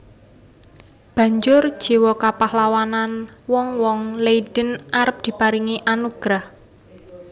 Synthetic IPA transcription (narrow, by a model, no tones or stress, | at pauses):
b̥ä̤ɲd͡ʒʊr̥ʒ̥i̤wɔkapahlawananwɔŋwɔŋleid̥ənʔaɾəp̚d̪̥i̤paɾiŋiʔanuɡ̥ɾah